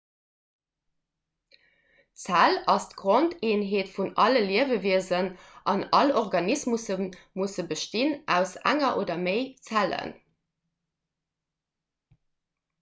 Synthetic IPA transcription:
t͡sælɑstɡ̥ʁonteːnɦeːtfunɑləliəvəviəzənʔɑnɑlɔʁɡɑnismusənmusəbəʃtinʔæ̰ʊsæ̰ŋɐʔoːdɐmeɪt͡sælə̰n

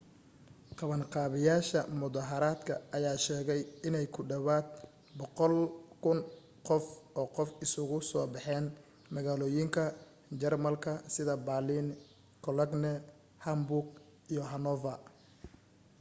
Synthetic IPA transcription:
qɑβɐnqɑːβɪjaːʃɐmʊðɐɦɐɾaːd̪kʰɐ̰ɐjaːʃɛːɣɛjɪnɛjkʰʊɖɐβaːd̪̚ | bɔqɔlkʰʊn | qɔfɔːqɔfɪsʊɣʊsɔːbɑħɛːn | mɐɣaːlɔːjɪŋkʰɐ | t͡ʃɛrmɐlkʰɐsɪðɐbalin | kʰɔlɐɡnɛ | hɐmbʊrɡ̚ | ijɔɦɐnɔvɐ

